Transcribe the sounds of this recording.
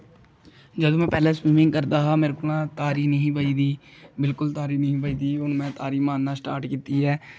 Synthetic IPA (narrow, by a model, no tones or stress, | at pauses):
d͡ʒəd̪õmɛ̃ːpɛːleːsɾiːmɪ̃ŋɡkəɾd̪aːɦaːmeːɾkʊlãːt̪aːɾiːnəɦĩːbəiːd̪iːbɪlkʊlt̪aːɾiːnəɦĩːbəiːd̪iːʊnmɛ̃ːt̪aːɾiːmãːnnaːsʈaːɾʈkɪt̪iːɦɛː